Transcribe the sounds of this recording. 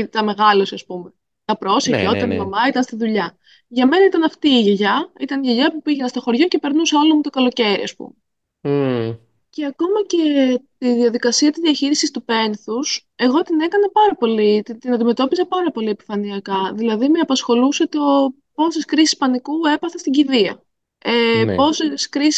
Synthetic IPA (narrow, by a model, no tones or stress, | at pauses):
it̪ɐme̞ɣɐlosiɐspume | t̪ɐpɾo̞sefoit̪ɐnimɐmɐit̪ɐnst̪iðuʎɐ | ʝɐme̞nɐit̪ɐnɐft̪iːʝeʝɐit̪ɐniʝeʝɐpupiʝenɐst̪oxo̞ɾʝo̞cepe̞ɾnusolo̞mut̪o̞kɐlo̞ce̞ɾḭɐ̰spṵme | ce̞ɐko̞mɐce̞t̪iðiɐðikɐsiɐt̪izðiɐçiɾisist̪upe̞nθus | e̞ɣo̞t̪ine̞kɐnɐpɐɾɐpo̞lit̪it̪inɐnd̪ime̞t̪o̞pisɐpɐɾɐpo̞lie̞pi̥fɐniɐkɐðilɐðimeɐpɐsxo̞luset̪o̞ | po̞seskɾisi̥spɐnikue̞pɐθest̪iɟiðiɐ̰ | epo̞se̞skɾis